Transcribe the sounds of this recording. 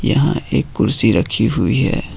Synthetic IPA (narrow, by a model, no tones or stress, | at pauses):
jɐɦã̰ʔeːkːʊɾsiɾɐkʰiɦʊiɦɛ̰ː